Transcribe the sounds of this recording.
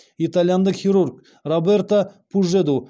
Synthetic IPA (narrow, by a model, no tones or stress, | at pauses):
it̪alʲjand̪əqχʲiɾurk | robert̪apʰuʒed̪u